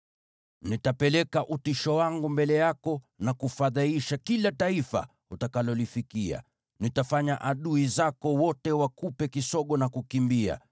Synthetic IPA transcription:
nitapɛlɛkaʔutiʃɔwaŋɡumbɛlɛjakɔ | nakufaðaiʃakilataifa̰ | utakalɔlifikia̰ | nitafaɲaʔaɗuizakɔwɔtɛwakupɛkisɔɠɔnakukimbia̰

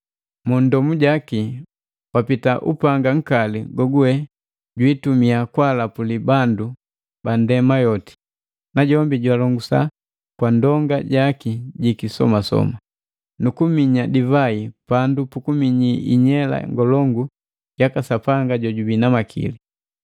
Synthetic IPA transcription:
mundɔmuɟaki | wapitaʔṵpaŋɡaŋ̩kaliɡɔɡuwɛ | ɟwitumiakwalapulibandu | bandɛmajɔti̥ | naɟɔmbiɟwalɔŋɡusa̰ | kwandɔŋɡaɟakiɟikisɔ̰masɔ̰ma | nukumiɲadivaipandupukumiɲiʔḭɲɛla̰ŋɡɔlɔŋɡu | jakasapaŋɡaɟɔɟubinamakʰḭli

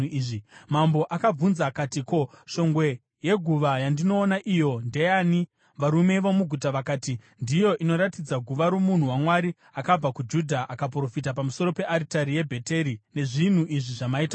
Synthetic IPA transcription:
ʐimambo̞ʔakab͡vunzakatiko̞ʃo̞ŋɡwe̞ | je̞ɡʱuʋajandino̞ːnaʔijo̞nde̞jaːni | ʋaɾume̞ʋomuɡʱutaʋakaːti | ndijo̞ʔino̞ɾatid͡zaɡʱuʋaɾo̞mun̤uwamwaɾi | akab͡vakud͡ʒudʱaʔakap̬ro̞fit̬ap̬amuso̞ɾo̞pe̞ʔaɾitaɾije̞bʱe̞te̞ɾine̞ʐin̤uʔiʐiʐamaita

